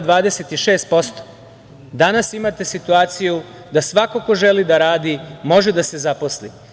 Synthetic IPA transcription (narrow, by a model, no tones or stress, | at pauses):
d̪ʋaːd̪e̞set̪iʃe̞ːst̪̚po̞st̪o̥ | d̪anasimat̪e̞sit̪uaːt̪siju | d̪asʋakoko̞ʒe̞lid̪aɾaːd̪imo̞ʒed̪ase̞zapo̞slḭ